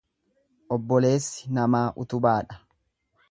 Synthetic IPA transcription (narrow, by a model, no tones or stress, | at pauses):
ʔɔbːɔle̞ːsːɪ̥nɐmaːʔʊ̰t̪ʊbaːᶑɐ